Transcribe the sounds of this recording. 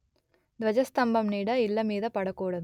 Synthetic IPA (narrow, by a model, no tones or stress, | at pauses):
d̪ʋɐd͡ʒɐst̪ɐmbɐmniːɽɐɪlːɐmiːðɐpɐɽɐkːuːɽɐðɯ